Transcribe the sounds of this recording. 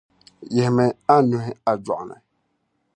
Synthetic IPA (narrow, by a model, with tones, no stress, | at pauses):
jɛ˨hmɛ˨a˦nũ˨ɦɪ˦a˨d͡ʒɔ˨ʔnɛ̰˨